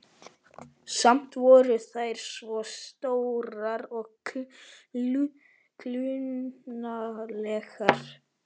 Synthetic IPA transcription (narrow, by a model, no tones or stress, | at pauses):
sam̥t̪vɔɾʏθajɾ̥svɔst̪owɾaɾɔɣ | kʰlyː | alɛxaɾ̥